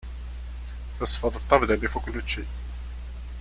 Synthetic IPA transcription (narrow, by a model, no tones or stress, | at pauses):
θəsfɑðˤət̪ˤːɑvd̪ælifuklːut͡ʃːi